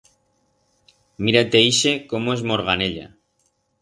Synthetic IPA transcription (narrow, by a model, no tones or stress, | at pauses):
miɾat̪eiʃe̞komoe̞zmo̞ɾɣ̞aneʎa̰